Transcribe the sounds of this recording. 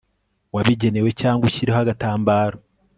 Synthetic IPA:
waβiɟe̞ne̞we̞caːŋɡuçiɾihaɡataːmbaːɾo

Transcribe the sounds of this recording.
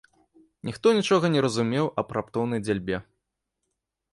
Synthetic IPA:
nʲixt̪ɔnʲit͡ʂɔɣɐnʲɛɾɐzumʲɛwʔɐpɾapt̪ɔwnɐjd͡zʲalʲbʲɛ

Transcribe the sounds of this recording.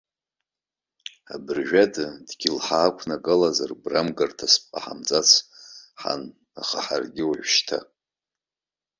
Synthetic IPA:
abɨrʒᶣadɨdɡʲilħaːkʷʰnakʼɨlazarbramɡartʰaspʼa̰ħa̰mt͡sʼat͡sʰħa̰n | aχaħarɡʲɪwaʒʷʃtʰa̰

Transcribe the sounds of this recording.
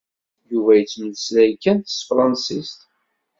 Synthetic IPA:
juvæjət͡sːməlslæjkːænt̪ə̥sfɾˤɑnsist̪

